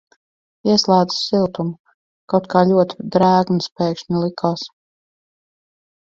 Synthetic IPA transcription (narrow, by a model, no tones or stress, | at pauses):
iɛslˠaːd̪ɨ̥ssilˠt̪um | kawt̪kaːlʲuɔt̪ʲi̥d̪ɾæːɡnuspɛːkʃnʲilˠikʰaːs